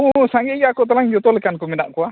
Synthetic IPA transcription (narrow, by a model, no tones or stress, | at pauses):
usaŋɡeɡaakut̪̬əlaŋd͡ʒut̪olekankuminaʔkua